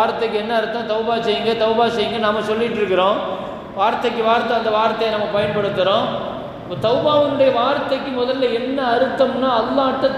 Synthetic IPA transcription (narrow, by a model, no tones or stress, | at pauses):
ɾt̪ːɐkːɯɛnːɐːɾɯt̪ːɐ̃t̪ɐʊbaːsɛjːɯŋɡɐt̪ɐʊbaːsɛjːɯŋɡɐnaːmːɐsɔlːɪʈːɯɾɯkːɪɾõː | ʋaːɾt̪ːɐkːɯʋaːɾt̪ːɐ̃ɐnd̪ɐʋaːɾt̪ːɐjɐnɐmːɐpɐjɐnpɐɽɯt̪ːɯɾõː | pːoːt̪ɐʊbaːʋɯnʊɽɐjɐʋaːɾt̪ːɐkːɯmɔðɐlːɐɛnːɐːɾɯt̪ːɐmnaːɐlːaːɐʈ̪ːɐ̃